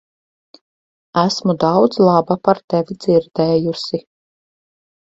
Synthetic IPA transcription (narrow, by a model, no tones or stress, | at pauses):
æsmud̪ɑwd̪zlˠɑbapaɾt̪ɛvʲid̪ziɾd̪ɛːjusi